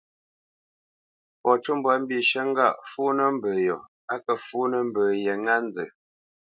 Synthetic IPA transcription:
pɔ˨t͡ʃu˦mbwa˨˦m̩˦bi˨ʃə˦ŋ̩˦ɡa˦˨ʔfu˦nə˦m̩˦bəː˨jɔ̰˨ | a˦kə˨fu˦nə˦m̩˦bə˨jə˨ŋa˦n˦d͡zə˨

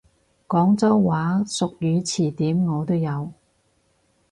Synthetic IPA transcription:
kɔː˨˥ŋt͡sɐ˥wwaː˨˥sʊ˨k̚jyː˨˧t͡sʰiː˨˩t̪iː˨˥mŋɔː˨˧t̪o˥wjɐ˨˧w

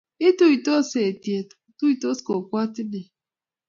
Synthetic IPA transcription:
i˦tu˦i˨to˦se˨ti˨e˨ttu˦i˨to˦sko˨kʷa˦tɪ˦ne˨

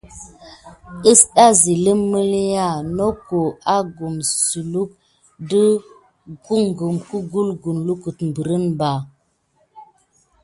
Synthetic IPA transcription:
ə˦sɗa˦zi˨lə˦mːə˦lja˦˨no˦ko˨a˦ɡu˨msu˨lu˦k̚ | də˦ | ɡu˦ŋ˨ɡu˨mku˦ɡu˦lɡu˨nlu˦ku˨tm˨bə˨ɾə˦nba˨

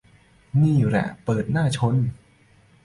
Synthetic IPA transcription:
niː˥˩ɾɛ̰˨˧˩ʔpɤː˨˩t̪̚naː˥˩t͡ɕʰo˦˥n

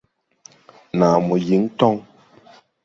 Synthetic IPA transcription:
na˨mɔ˨ji˨˦ŋtɔ˦ŋ

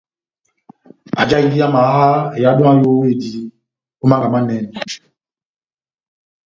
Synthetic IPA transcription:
a˨d͡ʒa˦i˨ŋɡi˦a˦ma˨˦ɦa˦ɛ˨ja˨˦ɗɔ̃˦a˦jo˦we˦˨di˨˦ | o˦mã˦ŋɡa˨ma˦nɛ˨n˨

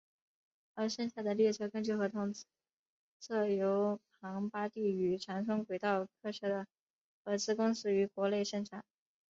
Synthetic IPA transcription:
ə˞˧˥ʂə˥˧nɕja˥˩d̪ə˩ljɛ˥˩ʈ͡ʂʰɤ˥kɤ˥˧ŋt͡ɕjo˥˧ʊxɤ˧˥t̪ʰʊ˧˥˩ŋt͡s̩˥ | t͡sʰɤ˥˩jo˧˥ʊpʰɑ˧˥ŋpa˥t̪i˥˩y˧˥ʈ͡ʂʰɑ˧˥ŋsʰʊ˥ŋkwe˨˩ɪt̪ɑ˥˧ʊkʰɤ˥˩ʂə˧˥d̪ə˨ | xɤ˧˥t͡sɹ̩˥kʊ˥ŋsɹ̩˥y˧˥kwɔ˧˥le˥˧ɪʂə˥˩ŋʈ͡ʂʰa˨˩˦n

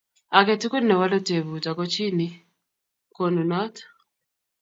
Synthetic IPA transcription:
a˨kɛ˨ti˦ku˦nːɛ˨wa˦lɔ˦te˨βu˨ta˨kɔ˦t͡ʃi˦ni˦ | ko˦˨nu˨nɔ˦t

